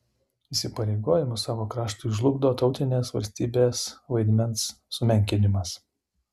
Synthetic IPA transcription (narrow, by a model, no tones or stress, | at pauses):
isʲɪpɐɾʲɛɪɡoːjɪmʊsɑːʋoːkɾɑːʃt̪ʊɪʒlˠʊɡd̪oːt̪ɒʊt̪ʲɪnʲeːsʋɐ̰lʲsʲt̪ʲiːbʲeːsʋɐɪd̪ʲmʲɛnsːʊmʲɛŋʲkʲɪnʲɪmɐs